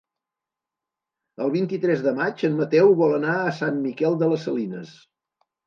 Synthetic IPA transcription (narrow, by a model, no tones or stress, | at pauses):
əlˠβint̪it̪ɾɛzðəmat͡ʃənmət̪ɛwβɔlənaəsanmikɛlˠd̪ələsəlinəs